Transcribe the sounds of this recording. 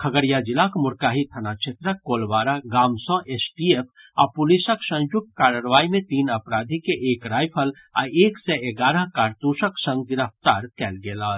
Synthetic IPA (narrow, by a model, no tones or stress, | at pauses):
kʰɐɡəɾjad͡ʒɪlaːkmʊɾkaːɦit̪ʰɐnat͡ʃʰet̪ɾəkoːlʋaːɾaɡaːmsɔ̃ːʔeːsʈieːpʰ | apʊlisəksɐ̃nd͡ʒʊkaːɾəːɾʋaːimẽt̪iːnɐpɾaːd̪ʱikeʔeːkɾaːjpʰəl | a̰eːksɛeɡaːɾə̃ɦkaːɾt̪uːʃəksə̃ŋɡɡɪɾəp̚t̪aːɾkɛːlɡeːlaː